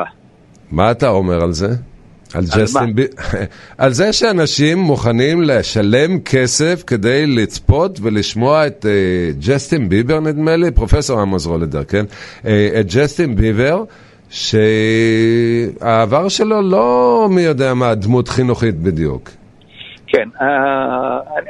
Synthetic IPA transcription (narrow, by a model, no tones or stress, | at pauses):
maːtaome̞ʁalze̞ | a̰ld͡ʒesiiʔalzeʃeanaʃimːuχanimleʃale̞mkʰese̞fke̞d̪ejlit͡spo̞t̪ve̞liʃmo̞aet̪ed͡ʒest̪inbibeʁnid̪melipʁo̞feso̞ʁamozʁoled̪eʁkenet̪̚d͡ʒestinbiveʁ | ʃe | aːvaʁʃe̞lo̞lo̞mijo̞d̪eamad̪mutχinuχit̪̚bid̪jṵk | kʰena